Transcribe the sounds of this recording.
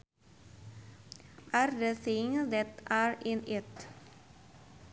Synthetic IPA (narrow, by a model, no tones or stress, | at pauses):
ʔæɾd̪əθɪŋd̪ɛt̪æːɹɪnɪt̪